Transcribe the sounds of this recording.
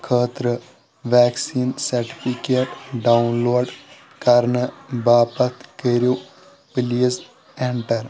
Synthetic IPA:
kʰəːt̪ɾə | ʋɛːksiːnsɐɾʈi̥pʰikeːʈɖawnloːɖ | kɐɾnəbaːpɐt̪keɾjo | piliːs | eɳʈɐɾ

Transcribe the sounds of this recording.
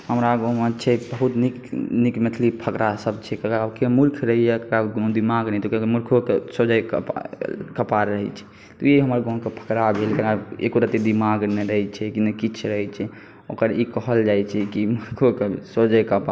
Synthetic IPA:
həmɾaɡomət͡ʃʰɛbəɦut̪niknikmət̪ʰlipʰəkɾasəb̚t͡ʃʰɛkəkəakemulkʰɾəɦiɛkkaɡd̪imaɡnɛt̪okekmulkʰokesod͡ʒajkpkəpaɾːəɦɛ̰t͡ʃʰɛ̥ | t̪ɔjeɦəməɾɡõkepʰə̥kɾabʱelkəkaḛkoɾət̪id̪imaɡneɾəɦɛt͡ʃʰɛkinəkit͡ʃʰɾəɦɛt͡ʃʰɛ | o̰kəɾikəɦəld͡ʒajt͡ʃʰɛkimulkʰokesod͡ʒəkəpa

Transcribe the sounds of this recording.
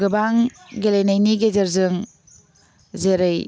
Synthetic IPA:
ɡɯbaŋɡelenajniɡezeɾzɯŋ | zeɾɯj

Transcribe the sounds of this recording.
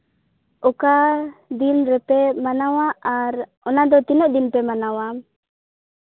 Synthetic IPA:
ʔɔkad̪inɾɛpɛmanawaʔaɾ | ɔnad̪ɔt̪inɔʔd̪inpɛmanawam

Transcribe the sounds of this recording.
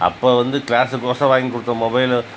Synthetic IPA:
ɐ̰pːoːʋɐnd̪ɯkɭaːsɯkoːsɐʋaːŋɡikɔɽɯt̪ːɐ̃mɔbɐɪl

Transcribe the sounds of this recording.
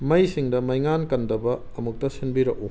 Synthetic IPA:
mɐjsiŋdɐmɐjŋankɐndɐbɐːmuk̚tɐsinbiɾɐku

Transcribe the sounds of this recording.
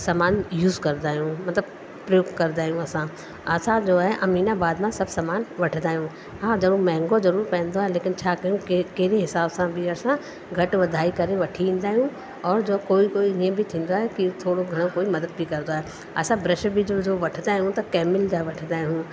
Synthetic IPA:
saːmaːnjuːzkɐɾd̪aːɦijũmɐt̪ləb | pɾɐjoːɡkɐɾd̪aːjũɐsã | ɐsãd͡ʒoːɦɛʔɐmiːnabaːd̪mãsɐbsamaːnʋɐʈʰd̪aːɦijũ | ɦãd͡ʒɐbõmɛ̃ɦɛ̃ŋɡozɐɾuːɾpɛ̃ːnd̪oːɦɛleːkɪnt͡ʃʰaːkɐjũkkeːɾeɦɪsaːbsãbʱiɐsã | ɡʱɐʈʋɐd̪ʱaːikɐɾẽʋɐʈʰiĩːnd̪aːɦijũ | ɔːɾd͡ʒoːkoːikoːiiẽbʱit̪ʰĩːn̆d̪aɦɛkit̪ʰoːɽoɡʱɐɽ̃õkoːimɐd̪əd̪̚bʱikɐɾd̪oaɦe | ɐ̰sãbɾɪʃbʱid͡ʒoːd͡ʒoːʋɐʈʰd̪aːɦijũt̪ɐkɛːmɪld͡ʑaːʋɐʈʰd̪aːiɦũ

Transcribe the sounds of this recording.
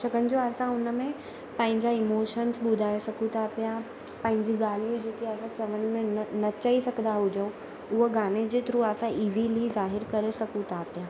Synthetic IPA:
ʃɐɡənɪ̆d͡ʑoɐsãʊnə̆mẽ | pɐ̃ɦɪ̃ɲd͡ʑaɪmoːʃənsɓʊd̪ʱaːesɐkʰũt̪ʰapija | pɐ̃ɦɪ̃ɲd͡ʑiɡaːl̤ijũd͡ʑeːkeɐsãt͡ɕɐʋən̆mẽnɐt͡ɕɐisɐɡʱənd̪aɦʊd͡ʑəũ | ʊɦoɡaːmed͡ʑeːt̪ɾuəsãiːzilizaːɦɪɾkɐɾesɐkʰũt̪ʰapijaː

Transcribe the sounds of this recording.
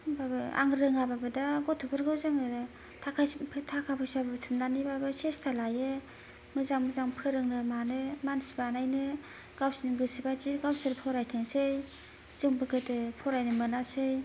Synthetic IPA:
babɯa̰ŋɾɯŋababɯdaɡɔtʰupʰɯɾɡɯwzɯŋɯ | tʰakʰapʰtʰakʰapʰɯsabɯtʰɯndanibabɯsestʰalajɯ | mɯzaŋmɯzaŋpʰɯɾɯŋnɯmanɯmansibanajnɯ | ɡ̥awsinɯɡɯsibaziɡawsɯɾpʰɔɾajtʰɯŋsɯj | z̥ɯŋbɯɡɯtɯpʰɔɾajnɯmɯnasɯj

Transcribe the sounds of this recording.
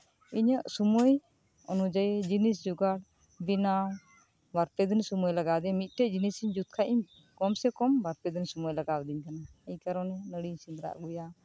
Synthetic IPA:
iɲəʔsumɔj | ɔnud͡ʒajed͡ʒinisd͡ʒuɡaɽ | bina | baɾpɛd̪ənsumɔjlaɡad̪ɛmit̪̚ˀʈɛʔd͡ʒinisiɲd͡ʒut̪̚kʰaʔim | kɔmsɛkɔmbaɾpɛd̪ənsumujlaɡawd̪iɲkanaɛjkaɾɔnɛnəɽiɲsind̪ɾa̰ʔɡuja

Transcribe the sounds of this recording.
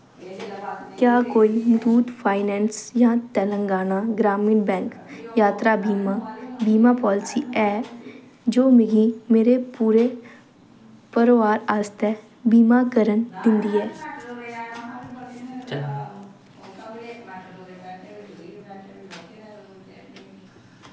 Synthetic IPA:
kjaːkoːimʊt̪uːd̪pʰaːɪnɛːnsjãːt̪ɛːlə̃ŋɡaːnaɡɾaːmɪnbɛ̃ːŋkjaːt̪ɾabiːmabiːmaːpɔːlɪsiɛː | d͡ʒoːmeɡimeːɾepuːɾe | pəɾʋaːɾaːst̪ɛ | biːmaːkəɾənd̪ɪ̃nd̪iːɛː

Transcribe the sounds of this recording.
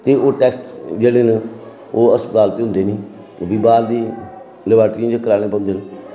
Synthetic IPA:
t̪eːoːʈɛːksʈd͡ʒeːɽeːn | oːəspət̪aːlt̪ːɦʊ̃nd̪eːnĩː | biːbaːɾd̪iː | ləbaːʈiãːd͡ʒəkəɾaːɽ̃eːpə̃ʊ̃nd̪eːn

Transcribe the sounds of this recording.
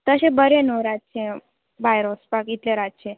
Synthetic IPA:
t̪əɕẽbəɾenoɾat̚t͡ɕʰẽ | ʋajɾospakit̪leɾatt͡ɕʰẽ

